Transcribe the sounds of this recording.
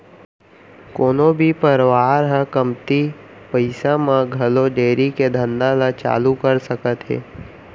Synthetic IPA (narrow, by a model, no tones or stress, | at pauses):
koːnõbʱipəɾʋaːɾɦɛ̃kəmt̪i | pəɪsamãɡʱɐloɖeːɾiked̪ʱənd̪ãlat͡ʃa̰ːlukəɾsəkət̪ɦḛː